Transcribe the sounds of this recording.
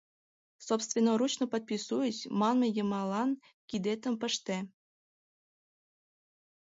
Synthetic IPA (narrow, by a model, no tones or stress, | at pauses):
sopst̪vʲenːoɾut͡ɕnŏpot̪̚pʲisujəɕmɑnmĕjɤ̆mɑlɑn | kʲid̪et̪ə̆mpə̆ʃt̪e